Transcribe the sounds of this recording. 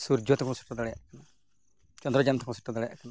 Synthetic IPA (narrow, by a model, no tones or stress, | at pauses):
suɾd͡ʒɔt̪ɔkʰɔ̃si̥ʈːɔd̪aɽɛja̰ʔkana | t͡ʃɔnd̪ɾɔd͡ʒant̪ʰɔkɔ̃si̥ʈːɔd̪aɽɛja̰ʔkana